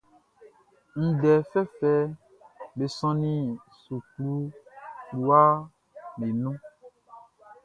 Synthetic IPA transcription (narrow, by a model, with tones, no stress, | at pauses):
i˨ɖɛ˨fɛ˦fɛ˦ | be˨sɔ̃˦nĩ˦ | su˨klu˦klu˦a˦ | le˨nũ˦